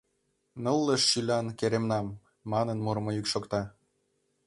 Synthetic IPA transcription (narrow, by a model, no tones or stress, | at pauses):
nɤlːəʃːylʲɑnkeɾemnɑmː | ɑnənmoɾmoykʃokt̪ɑ